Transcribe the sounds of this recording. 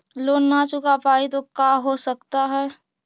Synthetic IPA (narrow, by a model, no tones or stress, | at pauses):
loːnːat͡ʃʊkapaːit̪okaːɦosəkt̪aɦɛː